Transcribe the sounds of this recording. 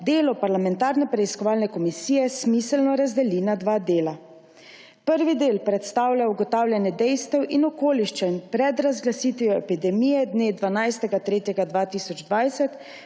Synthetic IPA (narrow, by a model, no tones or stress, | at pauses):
d̪eːlɔpaɾlamɛnt̪aːɾnɛpɾɛiskɔʋaːlnɛkɔmisijɛsmisɛlnɔɾazd̪ɛliːnad̪ʋaːd̪eːla | pəɾʋid̪eːlpɾɛt̪st̪aːwljauɡɔt̪aːwlʲjɛnjɛd̪ɛjst̪ɛwʔinɔkoːliʃt͡ʃɛnpɾɛd̪ɾazɡlasit̪ʋijɔɛpid̪ɛmiːjɛd̪neːd̪ʋanajst̪ɛɡat̪ɾeːt̪jɛɡad̪ʋat̪isɔd͡ʒd̪ʋajsɛt̪